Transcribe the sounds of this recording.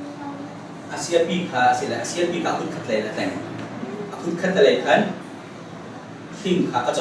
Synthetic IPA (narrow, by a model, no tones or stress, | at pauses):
ʔasiət̚pikʰaːsilaʔasiɐt̚piːkʰaːʔkʰun̚kʰat̪̚lɛlatɛŋ | ʔakʰut̚kʰat̪̚lɛlɛjkʰɐn | fiŋkʰaːʔat͡s